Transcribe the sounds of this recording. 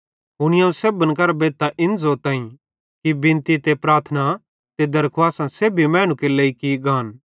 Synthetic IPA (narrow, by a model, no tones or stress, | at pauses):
ɦʊɽ̃ɪjãũseːbənkɐɾbeːt̪aʔɪnzoːt̪ãːĩ | kibɪ̃nt̪it̪epɾaːɾt̪ʰəna | t̪ed̪ɐɾkʰaːsãseːbʱimɛ̃ːɽ̃ũkeleːikiɡaːn